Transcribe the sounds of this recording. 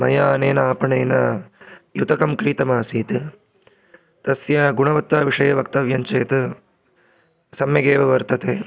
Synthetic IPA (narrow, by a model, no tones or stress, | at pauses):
mɐ̰jaːneːnɐaːpɐɳeːnɐːjut̪ɐkɐmkɾiːt̪ɐmaːsiːt̪ɨ | t̪ɐsjɐɡuɳɐʋɐt̪ːaːʋiʂɐjɐʋɐkt̪ɐʋjɐɲt͡ʃeːt̪ɐ | sɐmjɐɡeːʋɐʋɐɾt̪ɐt̪eː